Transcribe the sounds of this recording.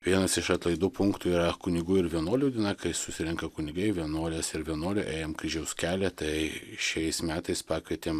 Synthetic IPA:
ʋʲiɛnɐsɪʃɐt̪lˠɐɪd̪uːpʊŋkt̪uːiːɾɐkʊnʲɪɡuːɪɾʋʲiɛnoːlʲuːd̪ʲɪnɑkɐɪsʊsʲɪɾʲɪŋkɐkʊnʲɪɡɐɪʋʲiɛnoːlʲɛsɪɾʋʲiɛnoːlʲʊʔeːjɛmkɾʲɪʒʲɛʊskʲæːlʲɛt̪ɐɪʃʲɛɪsmʲæːt̪ɐɪspɑːkʋʲiɛt̪ʲeːm

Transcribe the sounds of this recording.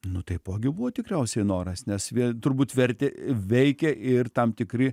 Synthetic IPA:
nʊt̪ɐɪpoːɡʲɪbʊʋoːt̪ʲɪkɾʲɛʊsʲɛɪnoːɾɐsnʲɛsʋʲiɛt̪ʊɾbuːt̪ʋʲɛɾʲt̪ʲɛʋʲɛɪkʲɛʔɪrt̪ɐmt̪ʲɪkɾʲɪ

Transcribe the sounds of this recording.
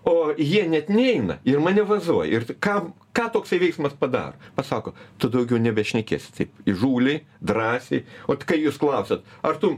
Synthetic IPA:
oːjiɛnʲɛt̪nʲɛɛɪnɐ̰ɪrmɐnʲɛʋɐzuɔjɪrkɑː | kɑːt̪oːksɐɪʋʲɛɪksmɐspɐd̪ɑ̰ːɾoːpɐsɑːkoːt̪ʊd̪ɐʊɡʲɛʊnʲɛbʲɛʃʲnʲɛkʲeːsʲt̪ɐɪpɪʒuːlʲɛɪ | d̪ɾɑːsʲɛɪoːt̪ʲkɐɪjuːsklˠɐʊsʲɛt̪ɐrt̪ʊ

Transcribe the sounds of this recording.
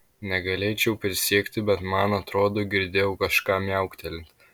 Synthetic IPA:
nʲɛɡɐlʲeːt͡ʃʲɛʊpʲɾʲɪsʲiɛkt̪ʲɪbʲɛt̪mɐnɐt̪ɾoːd̪oːɡʲɪɾʲd̪ʲeːjɛʊkɐʃkɑːmʲjɛˑʊkt̪ʲɛlʲɪnt̪

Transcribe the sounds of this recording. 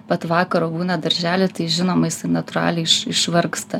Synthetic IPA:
pɐt̪ʋɑːkɐɾoːbuːnɐd̪ɐɾʲʒʲæːlʲɪt̪ɐɪʒʲɪnoːmɐjɪsɐɪnɐt̪ʊɾɑ̰ːlʲɛɪɪʃɪʃʋɐɾkst̪ɐ

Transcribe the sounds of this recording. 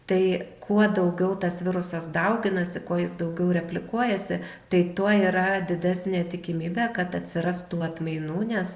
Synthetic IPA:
t̪ɐɪkʰuɔd̪ɐʊɡʲɛʊt̪ɐsʋʲɪɾʊsɐsd̪ɐʊɡʲɪnɐsʲɪkuːjɪsd̪ɐʊɡʲɛʊɾʲɛpʲlʲɪkuɔjɛsʲɪ | t̪ɐɪt̪uɔiːɾɐd̪ʲɪd̪ʲæsʲnʲeːt̪ʲɪkʲɪmʲiːbʲeːkɐt̪ɐt̪ʲsʲɪɾɐst̪uːɐt̪mɐɪnuːnʲɛs

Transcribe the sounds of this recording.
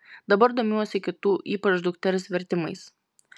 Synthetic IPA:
d̪ɐbɐɾd̪oːmʲuɔsʲɪkʲɪt̪uːʔiːpɐt͡ʃd̪ʊkt̪ʲɛlʲɪsʋʲɛɾʲt̪ʲɪmɐɪs

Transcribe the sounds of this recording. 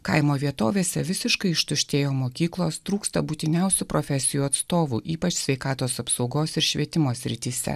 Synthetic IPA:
kɐɪmoːʋʲiɛt̪o̰ːʋʲeːsʲɛʋʲɪsʲɪʃkɐɪɪʃt̪ʊʃʲt̪ʲeːjoːmoːkʲiːklˠoːst̪ɾuːkst̪ɐbuːt̪ʲɪnʲɛʊsʲupɾoːfʲɛsʲɪjuːɐt̪st̪oːʋṵʔiːpɐt͡ʃsʲʋʲɛɪkɑːt̪oːsɐpsɒʊɡoːsɪɾʃʲʋʲiɛt̪ʲɪmoːsʲɾʲɪt̪ʲiːsʲɛ̰

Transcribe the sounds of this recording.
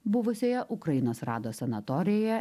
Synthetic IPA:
bʊʋʊsʲoːjɛʔʊkɾɐjɪnoːsɾɑːd̪oːsʲɛnɐt̪ɔɾʲɪjoːjɛ

